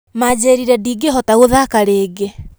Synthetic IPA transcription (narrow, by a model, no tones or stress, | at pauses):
mad͡ʑeɾiɾɛdiːɡeɦɔtaɣoðakaɾeːɡe